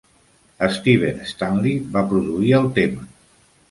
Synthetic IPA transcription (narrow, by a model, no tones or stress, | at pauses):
əst̪iβ̞enest̪anlibapɾuðuiəlˠt̪emə